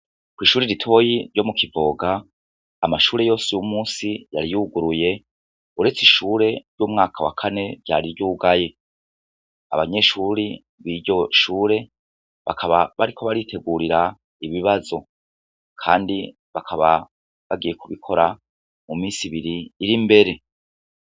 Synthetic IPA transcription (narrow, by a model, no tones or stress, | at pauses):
kwiːʃuːɾiɾitʰo̞ːjiɾɟo̞mukʰivoːɡaː | maʃuːɾe̞jo̞ːsijumuːsijaɾijuɡuɾuje̞ | uɾe̞t͡siʃuːɾe̞ɾjuːmŋaːkʰawa̰kʰane̞vɟa̰ːɾiɾɟuːɡaje̞ | a̰βaɲe̞ʃuːɾi | βiɾɟo̞ʃuːɾe̞ | βa̰kaβaβaɾikʰo̞βaɾitʰe̞ɡuːɾiɾa | iβiβazo̞ | kʰa̰ːndi | βakʰaβa | βaɡije̞kuβikʰo̞ɾa | mumiːsiβiɾiːɾimbe̞ɾe̞